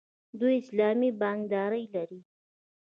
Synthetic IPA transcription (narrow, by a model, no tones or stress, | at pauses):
d̪ujɪslɑmibɑnd̪ɑɾəjlaɾi